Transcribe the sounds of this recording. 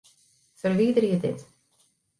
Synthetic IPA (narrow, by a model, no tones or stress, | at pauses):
fəɾviːd̪əɾjəd̪ɪ̰t̪